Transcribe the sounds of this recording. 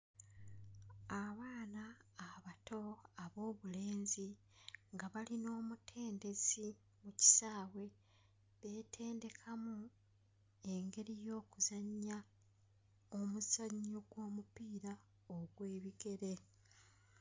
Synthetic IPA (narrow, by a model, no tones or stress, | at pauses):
aβaːnaːβatʰo̞aβo̞ːβule̞ːnzi | ŋɡaβalino̞ːmutʰe̞ːnde̞zi | muci̥saːwe̞ | βe̞ːtʰe̞ːnde̞kʰamu | e̞ŋɡe̞ɾijo̞ːkuzaɲːa | omuzaɲːoɡwo̞ːmupiːɾa | oɡwe̞ːβiɡe̞ɾe̞